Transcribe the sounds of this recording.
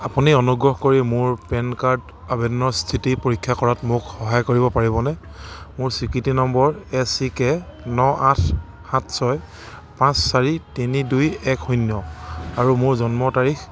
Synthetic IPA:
apuniɔnuɡɹɔɦkoɹimʊɹpɛnkaɹd | abɛdɔnɔstʰitipoɹikʰːjakɔɹatmʊkxɔɦajkoɹibɔpaɹibɔnɛ | mʊɹsikɹitinɔmbɔɹɛsikɛnɔatʰ | hãtʰsɔj | pãsːaɹitinidujɛkxunjɔaɹumʊɹzɔnmɔtaɹix

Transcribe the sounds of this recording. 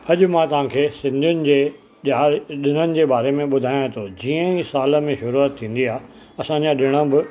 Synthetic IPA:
ɐʄʊmãt̪ɐʋ̤ãːkʰeːsɪ̃nd̪ʱjʊnɪ̆d͡ʑeː | aːɗɪnənɪ̆d͡ʑeːɓaːɾemẽɓʊd̪ʱaːjãt̪ʰod͡ʑiːə̃isaːlə̆mẽʃʊɾuət̪ʰːĩːn̆d̪iaːɦ | ɐsãːɲd͡ʑaɗɪɽ̃əbɪ

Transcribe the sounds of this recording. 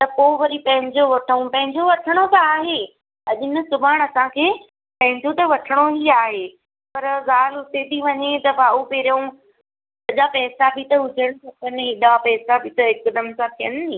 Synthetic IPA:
t̪ɐkoːʋɐɾipɐ̃ɦɪ̃ɲd͡ʑoʋɐʈʰəũpɐ̃ɦɪ̃ɲd͡ʑoʋɐʈʰəɽ̃osãːɦeː | ɐʄɪnə̆sʊbʱaːəɽ̃ɐsãkʰeː | pɐ̃ɦɪ̃ɲd͡ʑot̪ɐʋɐʈʰəɽ̃oɦiaːɦeː | pɐɾzaːlʊt̪et̪ʰiʋɐɲet̪ɐbaːupeːɾõ | sɐʄapɛːsabʱit̪ɐɦʊd͡ʑʱəɽ̃ũsʰɐpɐnɪɦɪɗapɛːsabʱit̪ɐɪkd̪əmsãt̪ʰijənĩ

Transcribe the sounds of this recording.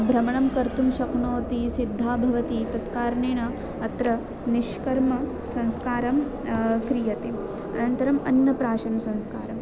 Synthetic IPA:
bʱɾɐmɐɳɐmkɐɾt̪umʃɐkɳoːt̪isid̪ʱːaːbʱɐʋɐt̪it̪ɐt̪kaːɾɳeːnɐ | ɐt̪ɾɐ | niʃkɐɾmɐ | sɐ̃nskaːɾɐm | kɾijɐt̪e | ɐ̰nɐnt̪ɐɾɐmɐ̰nːɐpɾaːʃɐnɐsɐ̃nskaːɾɐm

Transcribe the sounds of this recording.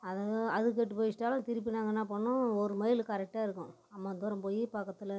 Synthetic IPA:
ɐðɐðɯk̬ːɐʈːɯpoːjɪsʈːaːlɐ̃t̪ɪɾɪp̬ːɪnaːŋɡɐnːaːpɐɳːʊ̃ɔɾɯmɐjɪlkɐɾɛk̚ʈːaːɪɾɯkːʊ̃ | ɐmːaːnd̪ɔɾɐmpoːjipaːkːɐt̪ːɯlɐ

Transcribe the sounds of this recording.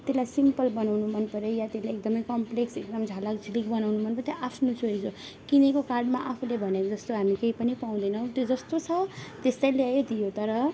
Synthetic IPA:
t̪elajsimpʌlbʌnawnumʌnpʌɾjojat̪elajekd̪ʌmʌjkʌmpleksek̚d̪ʌmd͡zʱalakd͡zʱilik̚bʌnawnumʌnpʌrt̪jeʔapʰnusʰoid͡zo | kinekokarɖmaʔapʰulebʱʌnjaod͡zʌst̪oɦamikeipʌnipaw̃d̪ʌjnʌw̃t̪jod͡zʌst̪ot͡sʰʌt̪est̪ajleajed̪ijot̪ʌɾʌ

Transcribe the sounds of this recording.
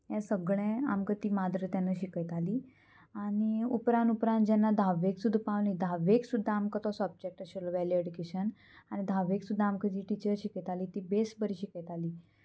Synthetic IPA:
jɛ̃səɡɭẽa̰mkət̪iːmad̪ɾət̪janːəɕikəjt̪aliː | aɽ̃iupɾãnupɾãnt̪̚d͡ʑɛnːad̪ʱaʋeksud̪ʱapaʋlĩd̪ʱaʋeksud̪ʱːaːmkət̪ɔsəb̚d͡ʑek̚ʈəɕəlɔʋɛlieɽikeɕən | añid̪ʱaʋeksud̪ʱːaːmkət̪iʈit͡ɕəɾɕikət̪aliːt̪iːbesbəɾiːɕikəjt̪aliː

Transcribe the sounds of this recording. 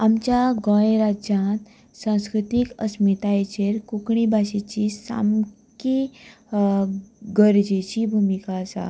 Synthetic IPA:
amt͡ɕjaɡɔ̃jẽɾad͡ʑjãt̪ | sãw̃skɾut̪ikə̰smit̪ajet͡ɕeɾkukɳibʱaɕet͡ɕisa̰m | ki | ɡəɾd͡ʑet͡ɕibʱumikasa̰

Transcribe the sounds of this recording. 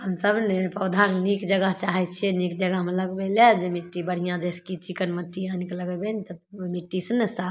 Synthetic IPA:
həmsəbnepəwd̪ʱaknikd͡ʒəɡəɦt͡ʃaɦɛt͡ʃʰɛnikd͡ʒəɡəɦmləɡbeled͡ʒemiʈːibəɽ̤ijãd͡ʒeskit͡ʃikənməʈːijanikeləɡɛbenit̪əmiʈːisənesa

